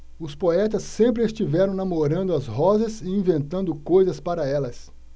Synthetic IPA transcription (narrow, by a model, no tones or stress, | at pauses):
ʊspoɛt̪ɐsːẽmpɾɪest͡ʃivɛɾɐ̃w̃namoɾɐ̃nd̪ʊɐzɦɔzɐsɪĩvẽnt̪ɐ̃nd̪ʊkojzɐspaɾɐɛlɐs